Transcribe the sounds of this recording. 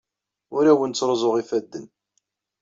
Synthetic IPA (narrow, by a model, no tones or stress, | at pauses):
ʊɾæwənt͡sːɾˤzˤoʁifæd̪ːən